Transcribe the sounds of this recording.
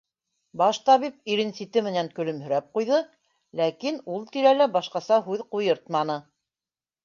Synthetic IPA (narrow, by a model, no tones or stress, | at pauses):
bɑʃt̪ɑβip̚iɾɘ̆nsit̪ɘmɘ̆næŋkɵ̆lɵ̆mhɵ̆ɾæp̚qujðɤ | lækinulˠt̪iɾælæbɑʃqɑsɑɦʉðqujɤɾt̪mɑnɤ